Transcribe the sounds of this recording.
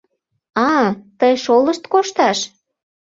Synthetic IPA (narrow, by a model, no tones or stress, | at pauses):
ɑt̪əjʃoləʃt̪koʃt̪ɑʃ